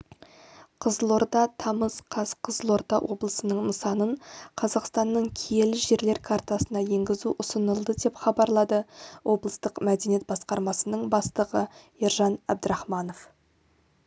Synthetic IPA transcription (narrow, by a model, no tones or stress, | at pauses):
qʰəzlˠo̞ɾt̪ɑt̪ʰɑməzqʰɑzqʰəzlˠo̞ɾt̪ɑwʔo̞blˠəsənəɴnəsɑnəɴqʰɑzɑqst̪ɑnːəɴkʲʰije̞lɪʒe̞ɾle̞ɾkʰɑɾt̪ɑsənɑje̞ŋɡʲɪzuʔʊsənəlˠd̪əd̪e̞pχɑbɑɾlˠɑd̪əwʔo̞blˠəst̪əqmæd̪e̞niet̪̚bɑsqɑɾmɑsənəɴbɑst̪əʁəjiɾʒɑnæb̚d̪əɾɑχmɑno̞f